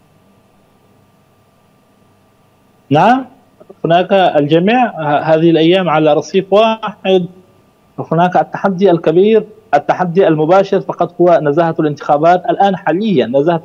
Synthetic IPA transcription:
naʕam | hʊnaːkaald͡ʒamiːʕhaːðɪhɪlʔajːaːmʕalaɾˤɑsˤiːfwaːħɪd̪ | wahʊnaːkʔat̪ːaħad̪ːialkabiːɾʔat̪ːaħad̪ːiʔalmʊbaːʃɪɾfɑqɑt̪ˤhʊwanazahaalʔɪnt̪ɪ̥xaːbaːt̪ʔalʔaːnħaːlɪjːanːazaha

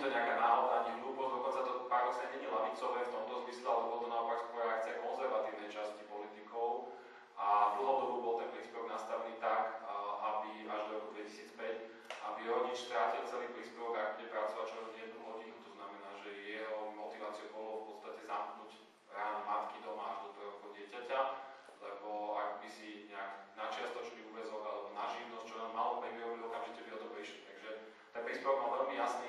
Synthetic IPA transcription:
t̪ɔɲɛakaːnaːɦɔd̪aɲɛɦluːpɔzd̪ɔkɔnt͡sat̪ɔpaɾd̪ɔsɲaɲɛɲilaʋit͡sɔʋɛft̪ɔmt̪ɔzmislɛalɛbɔlt̪ɔnaɔpakspɔɾɛak̚t͡siakɔnzɛɾʋat̪iːʊnɛjt͡ʃascipɔlit̪ikɔʊ | ʔad̪l̩ˠɦɔd̪ɔbubɔlˠt̪ɛnpɾiːspɛʋɔɡnast̪aʋɛniːt̪akʔabiʔaʒd̪ɔɾɔkud̪ʋɛcisiːt͡spɛc | ʔabiɾɔɲit͡ʃst̪ɾaːcilˠt͡sɛliːpɾiːspɛʋɔɡaɡbuɟɛpɾat͡sɔʋat͡ʃɔɲɪɛd̪̚nuɦɔɟinut̪ɔznamɛnaːʒɛjɛɦɔmɔt̪iʋaːt͡siubɔɦlɔfpɔt̪st̪acɛzamknuːɟ | ɾaːnamat̪kid̪ɔmaaʒd̪ɔt̪ɔɦɔkɔʊɟɪɛcaca | lɛbɔaɡbisiɲɛaknat͡ʃɪast̪ɔt͡ʃniuʋɛzɔɡalɛbɔnaʒiʋnɔst͡ʃɔnamːalɔpɾɛʋiɾɔbilɔkamʒicɛbiɦɔt̪ɔpɾiʃlit̪aɡʒɛ | t̪ɛnpɾiːspɛʋɔɡ̚malʋɛlmijasniː

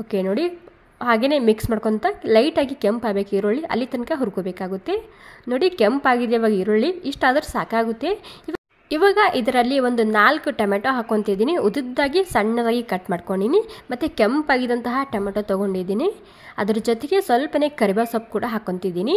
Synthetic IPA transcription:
oːkenoːɽi | ɦaːɡeːne̞ːmiksmaːɽkoɳt̪ɐlɐjʈaːɡikempaːbeːkeiɾoɭiʔɐ̰lːit̪ɐnkɐɦuɾkoːbeːkaːɡut̪ːe̞noːɽikempaːɡid̪eiʋaːɡɐiɾoɭːiːʂʈaːd̪ɐɾusa̰ːkaːɡut̪ːe̞iʋa | iʋaːɡɐʔid̪ɐɾɐlːiʋond̪unaːlkuʈɐmeʈoɦaːkont̪id̪iːniud̪id̪ːaːɡisɐɳːɐd̪aːɡikɐʈmaːɽkoɳinimɐt̪ːukempaːɡid̪ɐnt̪ɐɦɐʈɐmɐʈot̪ɐɡoɳɖid̪iːni | ɐ̰d̪ɐɾɐd͡ʒot̪eɡesʋɐlpɐne̞kɐɾibaːsɐp̚kuːɽɐɦaːkont̪id̪iːni

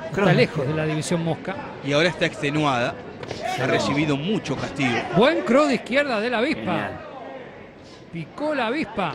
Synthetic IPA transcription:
est̪alexozðelaðiβisjo̞nmohka | iaoɾaest̪aekst̪enwaða | saresiβiðomut͡ʃo̞kast̪iɣobweŋkɾoðihkjeɾðaðelaβispa | pikolaβispa

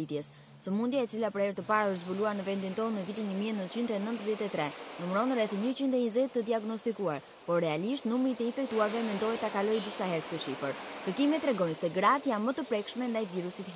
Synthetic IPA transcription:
it̪jɛs | səmund̪jaɛt͡silapəɾhɛɾt̪əpaɾaəʃt̪zbuluaɾnəvɛnd̪int̪ɔnːəvit̪inɲəmiɛnənt͡ɕind̪ɛnənt̪əðjɛt̪ɛt̪ɾɛnumɾɔnrɛθɲət͡ɕind̪ɛɲizɛt̪ːəd̪iaɡnɔst̪ikuaɾ | pɔɾːɛaliʃt̪numit̪əinfɛk̚t̪uaɾvɛmɛnd̪ɔɛt̪ːakalɔjd̪isaɦɛɾt̪t̪əʃifəɾkəɾkimɛt̪ːɾɛɡɔjsɛɡɾat̪janmət̪əpɾɛkʃmɛnd̪ajviɾusit̪

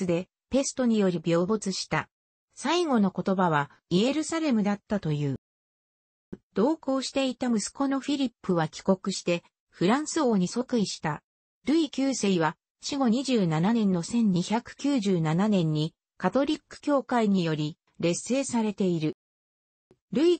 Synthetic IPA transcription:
ɨd̪e̞ | pe̞sɨ̥t̪o̞ɲ̟ijo̞ɾʲibʲjo̞ːbo̞t͡sɨɕi̥t̪a | saiɡo̞no̞ko̞t̪o̞baβ̞a | ie̞ɾɯ̟saɾe̞mɯ̟d̪at̪ːat̪o̞jɯ̟ː | d̪̥o̞ːko̞ːɕi̥t̪e̞it̪amɯ̟sɨ̥ko̞no̞ɸʲiɾʲipːɯ̟βakʲi̥ko̞kɯ̟ɕi̥t̪e̞ | ɸɯ̟ɾãɰ̃sɨo̞ːɲ̟iso̞kɯ̟iɕi̥t̪a | ɾɯ̟ikʲɨːseiβa | ɕiɡo̞ɲ̟iʑɨːnananẽ̞nːo̞sẽ̞ɲ̟ɲiçakɯ̟̥kʲɨːʑɨːnananẽ̞ɲ̟ːi | kat̪o̞ɾʲikːɯ̟̥kʲo̞ːkaiɲ̟ijo̞ɾʲi | ɾe̞sːe̞ːsaɾe̞t̪e̞iɾɯ̟ | ɾɯ̟i

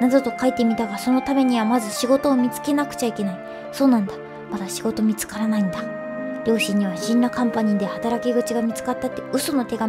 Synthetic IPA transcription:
nazot̪o̞kait̪ːe̞mʲit̪aɡaso̞no̞t̪ame̞ɲ̟iβ̞amazɨɕiɡo̞t̪o̞ːmʲit͡sɨ̥ke̞nakɯ̟̥t͡ɕaike̞nai | so̞ːnãnd̪a | mad̪aɕiɡo̞t̪o̞mʲit͡sɨ̥kaɾanaĩnd̪a | ɾʲo̞ːɕĩɲ̟ːiβ̞aɕĩnːɾakãmpaɲ̟ĩd̪ehat̪aɾakʲiɡɯ̟t͡ɕiɡamʲit͡sɨ̥kat̪ːat̪ːe̞ɯ̟so̞no̞t̪e̞ɡa

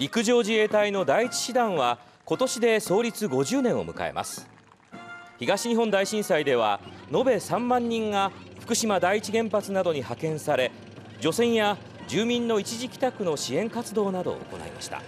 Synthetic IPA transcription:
ɾʲikɯ̟ʑo̞ːʑie̞ːt̪aino̞d̪aiit͡ɕi̥ɕid̪ãɰ̃βa | ko̞t̪o̞ɕid̪e̞so̞ːɾʲit͡sɨɡo̞ʑɨːnẽ̞ɰ̃o̞̰mɯ̟ka̰e̞̰mʔa̰sɨ̥ | çiɡaɕiɲ̟iɦõ̞nd̪aiɕĩɰ̃said̪e̞β̞a̰no̞be̞sãmːãɲ̟ːĩŋɡaɸɯ̟̥kɯ̟ɕimad̪aiːt͡ɕiɡẽ̞mpat͡sɨnad̪o̞ɲ̟ihakẽ̞ɰ̃saɾe̞ | d͡ʑo̞sẽ̞ɰ̃ja | d͡ʑɨːmʲĩnːo̞it͡ɕiʑikʲi̥t̪akɯ̟no̞ɕiẽ̞ŋkat͡sɨd̪o̞ːnad̪o̞̰o̰ko̞̰na̰ḭma̰ɕi̥t̪a̰

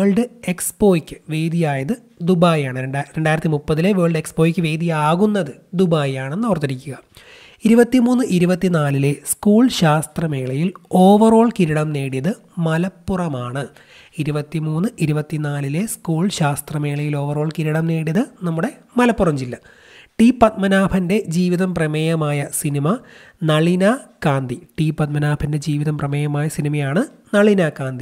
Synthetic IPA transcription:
eːɭɖɨe̞kspo̞ːjikʲːɨ̥ʋe̞ːd̪ijaːjɐðɨ | d̪ubaːjaːɳɨɾe̞ɳɖaːjiɾɐt̪ːimupːɐðile̞ʋeːɭɖekspo̞ːjikʲːɨʋe̞ːd̪ijaːɣunːɐðɨd̪ubaːjaːɳenːoːrt̪ːɐɾikʲːuɣɐ | iɾubɐt̪ːimuːnːɨʔiɾubɐt̪ːinaːlile̞skuːɭɕaːst̪rɐme̞ːɭɐjilo̞ːʋɐro̞ːɭkiɾiɽɐmne̞ːɽijɐðɨ | mɐlɐpːurɐmaːɳɨ | iɾubɐt̪ːimuːnːɨʔiɾubɐt̪ːinaːlile̞skuːɭɕaːst̪rɐme̞ːɭɐjilo̞ːʋɐro̞ːɭkiɾiɽɐmne̞ːɽijɐðɨnɐmːuɽe̞ | mɐlɐpːurɐmd͡ʑilːɐ | ʈipɐt̪̚mɐnaːbʰʱɐnde̞d͡ʑiːʋiðɐmprɐmejɐmaːjɐsinimɐ | nɐɭinɐkaːnd̪iʈipɐt̪̚mɐnaːbʰʱɐnde̞d͡ʑiːʋiðɐmprɐmejɐmaːjɐsinimɐjaːɳɨ | nɐɭinɐkaːnd̪i

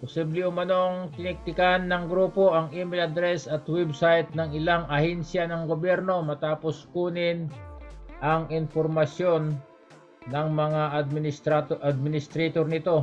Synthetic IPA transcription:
posiblɪʊmɐno̞ɐŋt̪ɪnɪk̚t̪ɪkanːɐŋɡɾuːpo̞ʔɐŋimɛlɐd̪ɾɛsɐt̪wɛbsajt̪̚nɐŋɪlaŋʔɐhɛnsjanɐŋɡobjɛɾno̞mɐt̪aːposkuːnɪn | ʔɐŋɪnpoɾmɐsjo̞nː | ɐŋmɐŋaʔɐd̪̚mɪnɪst̪ɾat̪ʔɐd̪̚mɪnɪst̪ɾɛt̪oɾnɪt̪o̞

